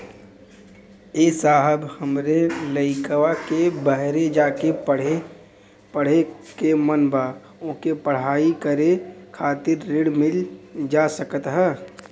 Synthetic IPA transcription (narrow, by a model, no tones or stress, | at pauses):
eːsaːɦəbhəmɾeləɪkəwakebəɦɾed͡ʒaːkeɽe | pəɽ̤ekemənba | õkepəɽ̤aːikəɾekʰaːt̪ɪɾːeɽmɪld͡ʒaːsəkət̪ɦɛː